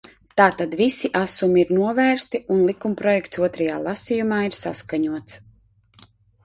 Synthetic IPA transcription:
t̪aːt̪ad̪visiʔasumiiɾnuɔvæːɾst̪iʔunlˠikumpɾɔjɛkt̪suɔt̪ɾaja̰ːlˠasijumaːiɾsaskaɲuɔt̪s

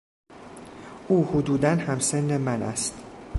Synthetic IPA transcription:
ʔuːhod̪uːd̪ænhæmsenːemænʔæ̰st̪

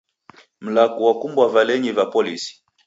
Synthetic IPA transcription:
m̩lakuwakumbwavalɛɲivapɔlisi̥

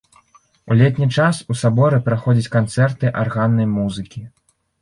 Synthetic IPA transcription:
ulʲɛt̪ʲnʲit͡ʂasusabɔɾɨpɾaxɔd͡zʲɐt͡sʲkant̪sɛrt̪ɨʔarɣanːɐjmuzɨkʲi

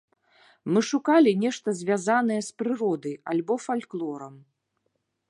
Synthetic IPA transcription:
mɨʂukalʲinʲɛʂt̪ɐzʲvʲazanɐjɛspɾɨɾɔd̪ɐjalʲbɔfalʲklˠɔɾɐm

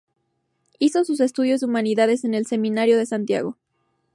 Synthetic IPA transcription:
isosus̬e̞st̪uð̞jo̞zðeumaniðaðe̞s̬e̞ne̞lse̞mĩnaɾjo̞ðe̞sant̪ja̰ɣ̞o̞

